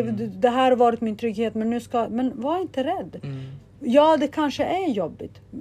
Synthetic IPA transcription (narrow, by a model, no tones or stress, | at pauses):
d̪ɛɦæːɾvɑːɾɪt̪mɪnt̪ʰɾʏɡheːt̪mɛnːʉ̟ːskamɛnvaɪnt̪əɾɛd̪ː | jɑːd̪ɛkʰanʂəʔæjɔbːɪt̪